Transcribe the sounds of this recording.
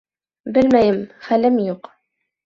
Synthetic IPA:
bɘlmæjɘmχælɘmjuq

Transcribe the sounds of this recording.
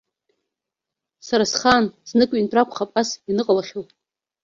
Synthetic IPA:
saɾasχansnɨkʷʼintʼrakʷʰχapʼasinɨqʼalaχʲowʼ

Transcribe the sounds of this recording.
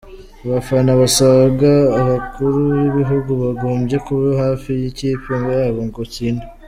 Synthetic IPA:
βafanaβasaβɡaːβakʰuɾujiβiɦuɡuβaɡoːmbje̞kuβoɦaːfijiciːpoŋɡajaβoŋɡociːna

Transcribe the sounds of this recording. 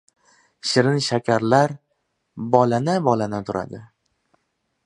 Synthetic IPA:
ʃɪɾɪnʃakʲʰaɾlaɾ | bɒlanabɒlanat̪ʰʊɾʔa̰d̪ɪ

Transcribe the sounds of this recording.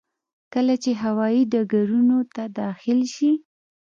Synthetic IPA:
kəlat͡ʃeɦawɑjiɖaɡaɾunot̪ad̪ɑxɪlʃi

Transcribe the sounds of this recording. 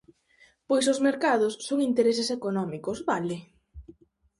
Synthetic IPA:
pojs̬ozmeɾkaðʊsːoŋint̪eɾesesekonɔmikosβalɪ

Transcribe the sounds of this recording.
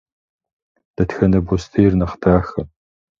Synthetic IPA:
d̥ɐtxɐnɐbostʰejrnɐχdaːxɐ

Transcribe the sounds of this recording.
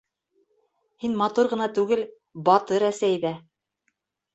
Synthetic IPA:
hinmɑt̪uɾʁɤ̆nɑt̪ʉɡɘl | bɑt̪ɤɾæsæjðæ

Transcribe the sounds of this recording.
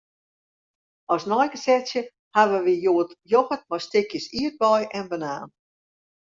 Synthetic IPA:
ɔsnɔjɡəsɛsjə | haʋəʋijoːətjopət̚mɔjstɪkjəsiət̚bɔjɛnbənaːn

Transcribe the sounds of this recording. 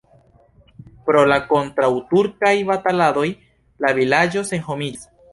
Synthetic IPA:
pɾo̞lako̞ntɾawtuɾkajβatalad̪o̞j | lavilad͡ʒo̞seŋxomis

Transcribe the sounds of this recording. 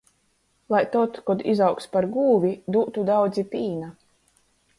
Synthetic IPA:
lˠajt̪ɔt̪kɔd̪izawkspaɾɡuːvʲid̪uːt̪ud̪awd̪zipiːna

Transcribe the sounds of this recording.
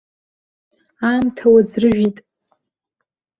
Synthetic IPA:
amtʰawad͡zrɨʒʷᶣitʼ

